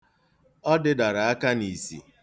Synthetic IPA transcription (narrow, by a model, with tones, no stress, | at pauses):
ɔ˦dɪ˦da˨ɾa˨a˦ka˦ni˨sḭ˨